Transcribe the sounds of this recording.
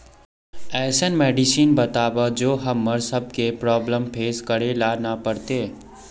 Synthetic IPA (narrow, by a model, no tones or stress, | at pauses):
ɛːsənmeːɖisiːnbət̪aːbad͡ʒoːɦɐmːəɾsəb̚kepɾɔːbləmpʰeːskəɾelaːnapəɾt̪eː